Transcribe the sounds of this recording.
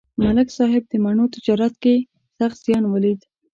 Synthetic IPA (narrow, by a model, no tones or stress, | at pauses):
malɪksɑɦɪb̚d̪əmaɳot̪ɪd͡ʒɑɾat̪̚ke | saxt̪z̥jɑnwalid̪